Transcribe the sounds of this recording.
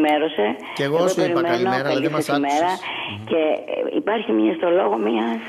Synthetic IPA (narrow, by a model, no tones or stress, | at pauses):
meɾo̞se̞ | eɣðopeɾimeno̞peisesimeɾɐ | ce̞ḭpɐɾçimiɐst̪o̞lo̞ɣo̞miɐ